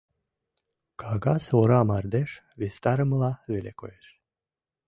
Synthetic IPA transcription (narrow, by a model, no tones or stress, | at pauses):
kɑɣɑsoɾɑmɑrd̪eʃ | βest̪ɑɾə̆mlɑβelekojeʃ